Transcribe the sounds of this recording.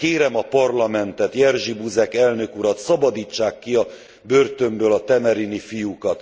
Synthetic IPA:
keːɾɛmɒpɒrlɒmɛnt̪ɛt̪jɛrʒibuzɛkɛlnø̞kuɾɒt̪sɒbɒd̪iːt͡ʃːaːkːiɒ | børt̪ø̞mbøːlɒt̪ɛmɛɾinifijukɒt̪

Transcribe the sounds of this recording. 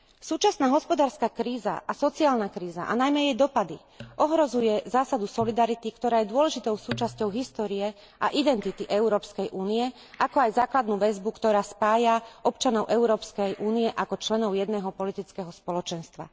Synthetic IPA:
suːt͡ʃasnaːɦɔspɔd̪aːɾskaːkɾiːza̰ʔasɔt͡siaːlnakɾiːza̰ʔa̰najmɛjɛjd̪ɔpad̪i | ʔɔɦɾɔzujɛzaːsad̪usɔlid̪aɾit̪ikt̪ɔɾaːjɛd̪ʊɔlɛʒit̪ɔʊsuːt͡ʃascɔʊɦist̪ɔːɾiɛ | ʔa̰ʔid̪ɛnt̪it̪iʔɛʊɾɔːpskɛjʔuːnijɛ | ʔakɔajzaːklad̪nuʋɛzbukt̪ɔɾaːspaːjaʔɔpt͡ʃanɔʊʔɛʊɾɔːpskɛjʔuːniɛʔakɔt͡ʃlɛnɔʊjɛd̪nɛːɦɔpɔlit̪it͡skɛɦɔspɔlɔt͡ʃɛnst̪ʋa̰

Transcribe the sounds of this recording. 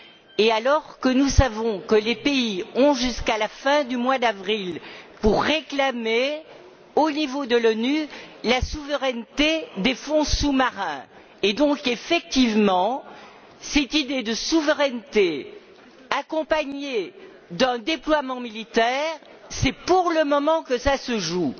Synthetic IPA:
ealɔʁkənusavɔ̃kəlepeiɔ̃ʒyskalafɛ̃d̪ymwad̪avʁilpuʁːeklame | onivod̪əlɔnylasuvəʁɛnt̪ed̪efɔ̃sumaʁɛ̃ | ed̪ɔ̃kefɛk̚t̪ivmɑ̃ | sɛt̪id̪ed̪əsuvəʁɛnt̪e | akɔ̃paɲe | d̪ɛ̃d̪eplwamɑ̃milit̪ɛːʁ | sɛpuʁləmɔmɑ̃kəsasəʒu

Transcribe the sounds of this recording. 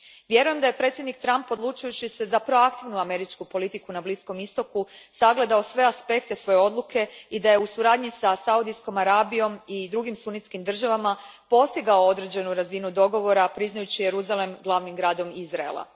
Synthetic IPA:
ʋje̞ɾuje̞md̪aje̞pɾe̞t̪sʲjed̪nik̚t̪ɾampo̞d̪lˠut͡ʃujut͡ɕise̞zapɾo̞akt̪iʋnuame̞ɾit͡ʃkupo̞lit̪ikunablisko̞mist̪o̞kusaɡle̞d̪ao̞sʋe̞aspe̞kt̪e̞sʋo̞jeo̞d̪lukʰe̞id̪aje̞usuɾaːd̪ɲisasaud̪isko̞maɾaːbijo̞mid̪ɾuɡimsunit̪skimd̪r̩ʒaʋamapo̞st̪iɡaoo̞d̪ɾe̞d͡ʑe̞nuɾazinud̪o̞ɡo̞ʋo̞ɾapɾiznajut͡ɕije̞ɾuzale̞mɡlˠaʋnimɡɾaːd̪o̞mizɾaḛlˠa̰

